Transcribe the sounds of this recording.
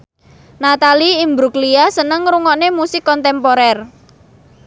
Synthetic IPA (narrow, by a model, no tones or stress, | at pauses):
nat̪aliimbɾukliasənəŋɾuŋɔnemusɪkːɔnt̪ɛmpoɾɛr